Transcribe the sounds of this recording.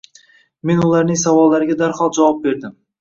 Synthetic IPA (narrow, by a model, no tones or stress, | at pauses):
me̞nʊlˠaɾnɪŋsavɒlˠːaɾɪɡʲad̪aɾhɒlˠd͡ʒawɒp̚be̞ɾd̪ɪm